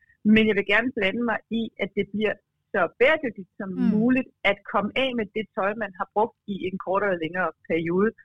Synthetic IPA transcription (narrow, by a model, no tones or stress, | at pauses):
menjɑ̈ʋe̝ɡ̥æɐnəb̥lænəmɑ̈ɪiʔæ̥e̝b̥liɐ̰ | sɒ̽b̥ɛːɐd̥øɡ̥̚d̥id̥sɒ̽mmuːlid̥æd̥kʰɒ̽məʔɛ̰med̥e̝t͡sʰɒ̽ɪmænɦɑ̈b̥ʁɔ̽ɡ̥̚d̥ie̝nkʰɒ̰ːɾ̥ɒlɐleŋɐːpʰæɐio̝ːð̞ˠə